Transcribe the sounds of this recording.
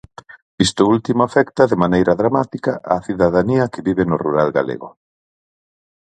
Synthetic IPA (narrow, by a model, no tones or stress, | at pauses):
ist̪ʊult̪imoafɛkt̪ɐðɪmanejɾɐðɾamat̪ikaʔaθiðaðaniɐkɪβiβenʊruɾalɡa̰lḛɣʊ̰